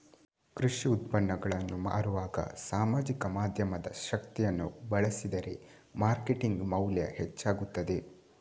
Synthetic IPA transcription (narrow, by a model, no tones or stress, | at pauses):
kɾuʃiut̪̚pɐnːɐɡɐɭɐnːuma̰ːɾuʋaːɡɐ̰saːmaːd͡ʒikɐmaːd̪ʱjɐmɐd̪ɐ̰ʃɐkt̪ijɐnːubɐɭɐsid̪ɐɾe̞ | maːɾkeʈiŋɡmɐwljɐ̰het͡ʃːaːɡut̪ːɐd̪e̞